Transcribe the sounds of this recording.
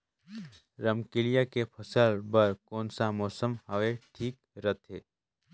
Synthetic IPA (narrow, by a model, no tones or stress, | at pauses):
ɾɐmkɪlijakepʰɐsəlbɐɾkɔːnsamɔːsəmhɐʋeʈʰiːk | ɾɐt̪ʰɦeː